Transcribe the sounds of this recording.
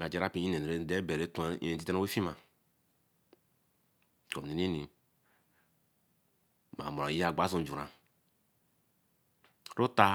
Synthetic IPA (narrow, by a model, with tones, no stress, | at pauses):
ɡa˨d͡ʒa˨ɾa˦˨pi˦i˦e˨e˨˦dɛ˦bɛ˨ɾe˨˦tṵ˦˨e˨ti˦tɛ˦no˦we˦fi˦ma˨ | ko˨ni˨ni˦ni˨ | ma̰˨mo˨a˨ji˦a˨ɡ͡ba˦zõ˨d͡ʒu˨ɾa˨ | ɾo˦ta˦